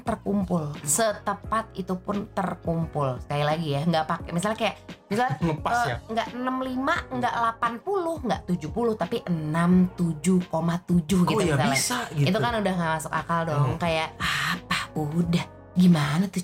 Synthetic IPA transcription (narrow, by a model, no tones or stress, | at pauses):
t̪ərkumpʊlsət̪əpat̪̚it̪upʊnt̪ərkumpʊlsə̥kalilaɡijaŋɡaʔpakɛmisalɲakajaʔmisalɲaləpaəŋɡaʔənəmlimaŋɡaʔlapanpulʊhŋɡaʔt̪ud͡ʒuhpulʊht̪apiʔənamt̪ud͡ʒuhkomat̪ud͡ʒʊhɡit̪ut̪alasaɡiit̪ukanudahŋaʔmasʊkakaldɔŋkajaʔapahudah | ɡimanat̪u